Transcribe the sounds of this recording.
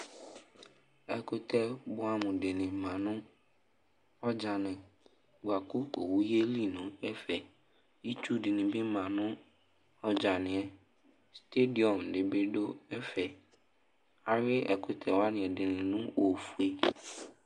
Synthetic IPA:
ɛ˨kʰʊ˨tʰɛ˦bʊ˦a˦mʊ̃˨dɪ˨nɪ̃˨mã˨nʊ̃˦ | ɔ˦d͡ʒa˨nɪ̃˨ | ɡ͡ba˨kʊ˦ko˨wu˦je˦li˦nʊ̃˨ɛ˦fɛ˨ | i˦tʰu˦dɪ˨nɪ̃˨bɪ˦mã˨nʊ̃˦ | ɔ˦d͡ʒa˨nɪ̃˨ɛ˨ | ste˦di˨ɔ˨mdɪ˨be˦do˦ɛ˦fɛ˨ | a˨ɾɪ˦ʔɛ̰˨kʰʊ˨tʰɛ˨wa˦nɪ̃˨ɛ˨dɪ˨nɪ̃˨nʊ̃˦wo˨fu˨e˦

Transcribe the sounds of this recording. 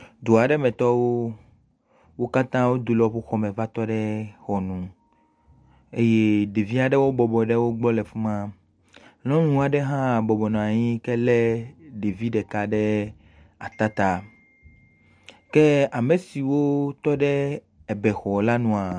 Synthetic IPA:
d̪o˨a˨ɖɛ˦mɛ̃˨t̪ɔ˦wo˦ | wo˦ka˦t̪ã˦wo˦d̪u˨lɔ˨ɸu˦xɔ˦mɛ̃˨va˦t̪ɔ˦ɖɛ˦xɔ˨nũ˨ | e˦je˦ɖe˨vi˦a˨ɖɛ˦wo˦bɔ˨bɔ˨ɖɛ˦wo˦ɡ͡bɔ˦lɛ˨fu˦mã˦ | lɔ̃˦nũ˨a˨ɖɛ˦ɦã˦˨bɔ˨bɔ˨nɔ̃˨a˨ɲĩ˦kɛ˦lɛ˦ɖe˨vi˦ɖɛ˨ka˦ɖɛ˦ | a˨t̪a˦t̪a˦ | kɛ˦a˨me˨si˨wo˦t̪ɔ˦ɖɛ˦ | ɛ˨bɛ˨xɔ˨la˦nũ˦a˨

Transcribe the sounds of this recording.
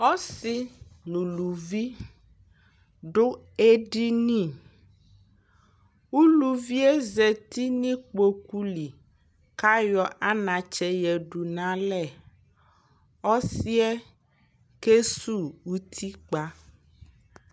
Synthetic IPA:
ɔ˦si˦nũ˨lu˨vi˦ | ɖo˦ | e˦ɖi˦nĩ˦˨ | wu˦lu˨vi˦ɛ˦zɛ˨t̪i˦nĩ˦k͡po˨ku˦li˨ | ka˦jɔ˨ʔa˦nã˨t͡ʃɛ˦jɛ˨ɖu˨nã˦lɛ˨ | ɔ˦si˦ɛ˦ | ke˦su˦˨wu˦t̪ʰi˦k͡pa˦

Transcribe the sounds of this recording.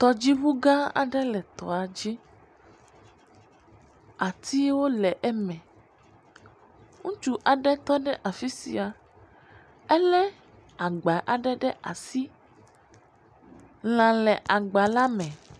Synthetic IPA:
t̪ɔ˨d͡ʑi˦βu˦ɡã˦a̰˨ɖɛ˦lɛ˨t̪ɔ̰˨a˨d͡ʑi˦ | a˨t̪ʰi˦wo˦lɛ˨ʔɛ˦mɛ̃˨ | ŋũ˦t͡ʃu˦ʔa˨ɖɛ˦t̪ɔ˦ɖɛ˦ʔa˨fi˦sḭ˨a˨ | ɛ˦lɛ˦ | a˨ɡ͡ba˨ʔa˨ɖɛ˦ɖɛ˦ʔa̰˨si˦ | l̃ã˨lɛ˨ʔa˨ɡ͡ba˨la˦mɛ̃˨

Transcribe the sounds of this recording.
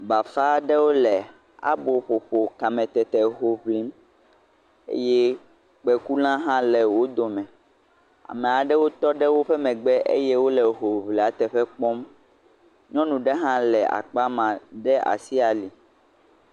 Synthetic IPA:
ba˨fa˦ɖɛ˦wo˦lɛ˨ | a̰˦bo˨ɸo˨ɸo˨ka˨mɛ̃˨t̪ɛ˨t̪ɛ˨ɦo˨βli˨˦m | ḛ˦jɛ˦ | k͡pɛ˨ku˦l̃ã˦ɦã˦lɛ˨wo˦d̪o˨mɛ̃˨ | a̰˨mɛ˨a˨ɖɛ˦wo˦t̪ɔ˦ɖɛ˦wo˦ɸɛ˦mɛ̃˨ɡ͡bɛ˦ʔḛ˦jɛ˦wo˦lɛ˨ɦo˨βli˨a˨t̪ɛ˨ɸɛ˦k͡pɔ˦m | ɲɔ̃˦nũ˨ɖɛ˦ɦã˦lɛ˨a̰˨k͡pa˦mã˨ɖɛ˦a̰˨si˦a˨li˨

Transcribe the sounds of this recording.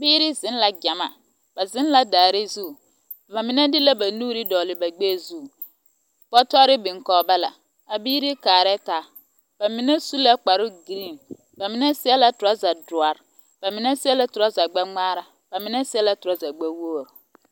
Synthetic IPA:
biː˦ɾɪ˦zɪ̃˦n˦la˨ɟa˨ma˨ | b̥a˨zɪ˦n˦la˨daː˨ɾɪ˦zu˦˨ | ba˨mɪ˨na˦dɪ˦la˦ba˨nuː˦ɾɪ˦dɔː˨lɪ˨ba˨ɡ͡beː˦˨zu˦˨ | bɔ˦tɔ˦ɾɪ˦bɪ˨ŋkɔː˨ba˦la˨ | a˨biː˦ɾɪ˦kaː˨ɾɛ˦taː˨ | b̥a˨mɪ˨na˦su˦la˦k͡pa˨ɾʊ˦ɡi˨ɾi˦˨n | ba˨mɪ˨˦nɛ˦sɪ˦ɛ˦la˦tʊ˨ɾa˦za˨dʊ˨a˨ɾ | b̥a˨mɪ˨na˦sɪ˦ɛ˦la˦tʊ˨ɾa˦za˨ɡ͡ba˦ŋ͡maː˦ɾa˨ | b̥a˨mɪ˨˦nɛ˦sɪ˦ɛ˦la˦tʊ˨ɾa˦za˨ɡ͡ba˦wo˦˨ɾ

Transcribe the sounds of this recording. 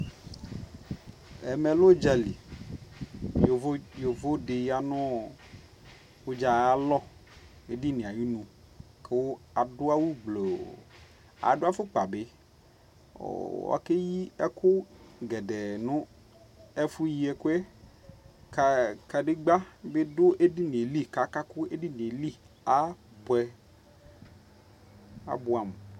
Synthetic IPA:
ɛ˨me˨lo˦d͡ʒa˨li˨˦ | jo˨vo˦ɖe˨ja˨nɔ̃˦˨ | wo˦d͡ʒa˨˦a˦lɔ˦ | e˨ɖi˦nĩ˨a˨ji˦nũ˨ | ke˨wo˦a˨do˦a˦wu˦ɡ͡blo˨ | a̰˨ɖo˦a˦fo˦k͡pa˨be˦˨ | wɔ̰˨ke˦ji˦ɛ̰˦kʊ˦ɡɛ˨dɛ˨nʊ̃˦ | ɛ˦fu˦ji˦ɛ˦kʊ˦e˦ | ka˨ka˨ɖe˦ɡ͡ba˦be˦dʊ˦ʔe˦di˦n˨e˨li˦ka˨˦ka˦kʊ˦e˦di˦n˨e˨li˦ | a˨ | bɛ˦ | a̰˨bʊ˦a˨m˨

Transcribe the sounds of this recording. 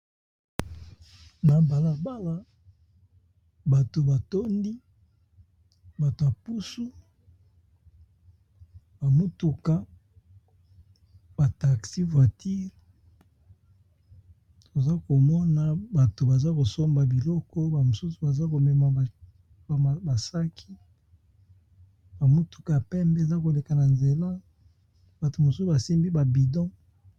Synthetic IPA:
na˨ba˨la˨ba˦la˦ | ba˨to˨ba˨to˦ndi˦ | ba˨to˨a˨pu˦su˦ | ba˨mo˦tu˨ka˦ | b̥a˨ta˨ksi˦vwa˨ti˦l | to˨za˦ko˨mɔ˦na˦ba˨to˨ba˨za˦ko˨so˦mba˨bi˨lɔ˦kɔ˦ba˨mo˨su˦su˨ba˨za˦ko˨mɛ˨ma˨ | ba˨sa˦kʰi˦ | ba˨mu˦tu̥˨ka˨pɛ˦mbe˦˨za˦ko˨le˨ka˨na˨nze˨la˦ | ba˨to˨mo˨su˦u˨ba˨si˦mbi˦ba˨bi˨dɔ̃˦

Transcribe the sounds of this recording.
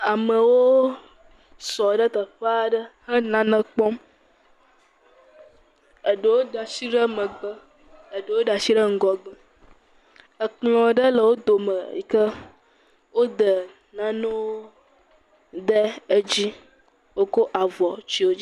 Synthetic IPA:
a˨mə̃˨wo˦ | sɔ˨ɖə˦t̪ə˨ɸə˦a˨ɖə˦hə˦nã˦nə̃˦k͡pɔ˦m | ə˨ɖə˨wo˦ɖa˨si˦ɖə˦mə̃˨ɡ͡bə˦ | ə˨ɖə˨˦wo˦ɖa˨si˦ɖə˦ŋ̩˦ɡɔ˦ɡə˨ | ə˨k͡plɔ̃˨ɖə˦lə˨wo˦d̪o˨mə˨ḭ˨kə˦ | wo˦d̪ə˨ | nã˦nõ˦woo˦ | d̪ə˦ə˦d͡ʑi˦ | wo˦ko˦ʔa˨vɔ˨t͡ʃi˦wo˦d͡ʒi˦

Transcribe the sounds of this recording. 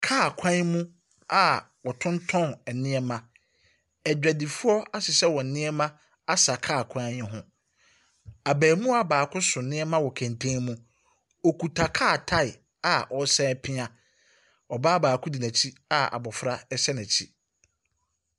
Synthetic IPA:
kʰaː˦˨kʷʰã˦n˦mũ˦ | a˨ | wɔ˨tʰʊ̃˦ntʰɔ̃˦˨nɛ˨nɪ̃˦ɛ˦mã˨ | ɛ˨d͡ʑᶣæ˨di˨fu˦ɔ˦a˦sɪ˨sɛ˦wɔ˨n̩˨nɪ̃˦ɛ˦mã˦ | a˦sa˨kʰaː˦˨kʷʰã˦ɛ˦ɦʊ̃˦ | a˨bæː˨mũ˦a˦baː˨kʰʊ̃˦sʊ̃˨nɪ̃˦ɛ˦mã˦wɔ˨kʰæ̃˨ntʰẽ˦mũ˦ | ɔ˨ku˨tʰa˨kʰaː˦˨tʰa˦ɪ˨ | a˨ʔɔ˨˦sɛ̃˦pʰɪ̃˦ã˨ | ɔ˨ba˦baː˨kʰʊ̃˦di˨næ̃˨t͡ɕʰi˦a˦a̰˨bɔ˨fɾa˦ɛ˦ɕɛ˦næ̃˨t͡ɕʰi˦

